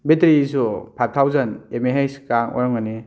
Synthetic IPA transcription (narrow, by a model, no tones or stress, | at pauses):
betɾis̬upʰajp̚tʰawzanemeɦejskaŋɔ̰jɔŋɔni